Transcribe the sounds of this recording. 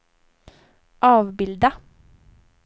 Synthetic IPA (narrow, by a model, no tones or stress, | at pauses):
ʔɑːʋbɪld̪ə